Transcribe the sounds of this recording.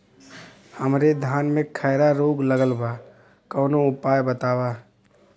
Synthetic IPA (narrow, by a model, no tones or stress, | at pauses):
həmɾed̪ʱjaːnmẽkʰɛːɾaɾoːɡləɡəlbaː | kɔːnoʊpaːjbət̪aːwaː